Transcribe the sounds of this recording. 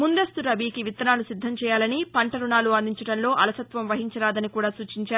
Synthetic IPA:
mund̪ɐst̪uɾɐbiːkiʋit̪ːɐnaːlusid̪ʱːɐmt͡ʃɛːjaːlɐnipɐɳʈɐɾuɳaːluɐnd̪iɲt͡ʃɐɽɐnlo̞ːʔɐlɐsɐt̪ʋɐmʋɐɦiɲt͡ʃɐɾaːd̪ɐnikuːɽaːsuːt͡ʃiɲt͡ʃaːɾu

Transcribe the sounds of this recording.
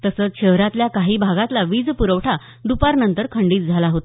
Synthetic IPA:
t̪əsəːt͡sɕəɦɾat̪ljakaɦiːbʱaɡãt̪laʋiːd͡zpuɾəʋʈʰa | ɖupaɾnənt̪əɾkʰəɳɖiːt̪̚d͡zʱalaɦot̪

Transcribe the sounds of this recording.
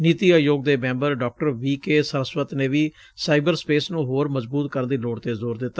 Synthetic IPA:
nit̪iːajoːɡ̚d̪eːmɛ̃ːmbəɾɖɔːk̚ʈəɾʋiːkeːsəɾəsʋət̪neːʋiː | saːɪbəɾspeːsnũːɦoːɾməzbuːt̪̚kəɾnd̪iːloːɽt̪eːzoːɾd̪ɪt̪ːaː

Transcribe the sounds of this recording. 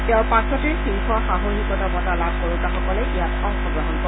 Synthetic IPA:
teʊ̃pasɔtiɹsiŋkʰɔxaɦoɹikɔtabɔtalab̚ʱkoɹukaxɔkɔlɛʔijatʰɔpʰɔɡɹɔɦɔnkɔ

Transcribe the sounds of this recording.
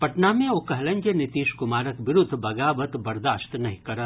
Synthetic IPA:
pɐʈnaːmẽoːkɐɦlɐ̃ɲd͡ʒənɪt̪iːʃkʊmaːɾəkʋɪɾʊd̪ʱːbɐɡaːbət̪bɐɾd̪aːst̪nɐɦĩkɐɾə

